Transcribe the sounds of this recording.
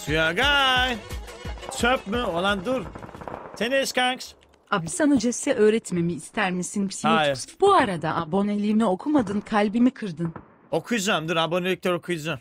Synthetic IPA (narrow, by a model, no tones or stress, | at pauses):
sujaɡaj | t͡ʃʰøpmyolˠand̪uɾt̪ʰeneskʰaŋks | abisanud͡ʒɛsɛʔø̞ːɾɛt̪me̞miːst̪ʰæɾmisinbi̥siajsbuaɾad̪aʔabo̞nelʲinɛo̞kʰumad̪ɯnkʰalʲbimikʰɯɾd̪ɯn | okʰujd͡ʒamd̪uɾabonelʲik̚ʲlʲɛɾokʰujd͡ʒam